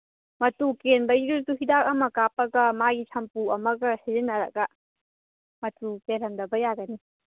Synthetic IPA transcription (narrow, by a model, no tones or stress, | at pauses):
mɐtukenbɐiɾutuɦidak̚ɐmɐkapɐɡɐmaɡit͡ʃʰɐmpuɐmɐɡɐsiɾinːɐɾɐ̰ɡɐ | mɐtukelɐmdɐbɐjaɡɐni